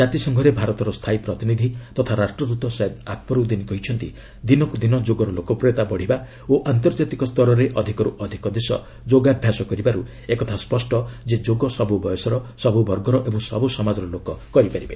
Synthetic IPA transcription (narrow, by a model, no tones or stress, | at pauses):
d͡ʒat̪isɔŋɡʱɔɾebʱaɾɔt̪ɔɾɔst̪ʰajpɾɔt̪inid̪ʱit̪ɔt̪ʰaɾasʈɾɔd̪ut̪ɔsɔd̪akʰpɔɾud̪inkɔɦit͡ʃʰɔnt̪i | d̪inɔkud̪inɔd͡ʒoɡɔɾɔlokɔpɾet̪abɔɽ̤iba | oʔant̪ɔɾd͡ʒat̪ikɔst̪ʰɔɾɔɾeʔɔd̪ʱikɔɾuʔɔd̪ʱikɔd̪esɔ̰ | d͡ʒoɡabʱjasɔkɔɾibaɾu | ekɔt̪ʰaspɔsʈɔd͡ʒed͡ʒoɡɔsɔbubɔjɔsɔɾɔsɔbubɔɾɡɔɾɔʔebɔŋsɔ̰busɔmad͡ʒɔɾɔlokɔkɔɾipaɾibe